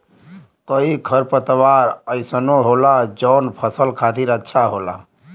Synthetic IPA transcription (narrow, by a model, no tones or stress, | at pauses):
kəikʰəɾpət̪əʋaːɾəɪsənoɦoːlad͡ʒɔːnpʰəsəlkʰat̪iɾətːʃʰaɦoːla̰